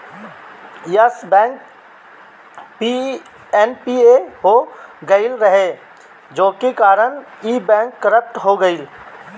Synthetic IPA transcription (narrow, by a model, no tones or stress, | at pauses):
jəsbɛ̃ːŋk | pi | ɛnpieɦoɡɐɪlɾəɦe | d͡ʒoːkekaːɾəɳiːbɛ̃ːŋkːəɾəp̚ʈɦoɡəɪl